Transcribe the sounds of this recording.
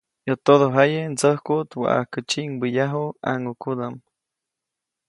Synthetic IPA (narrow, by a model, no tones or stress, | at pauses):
jot̪oðoɦajənt͡səhkut̪wa̰ʔa̰hkət͡ʃiŋbijaɦua̰ŋukud̪am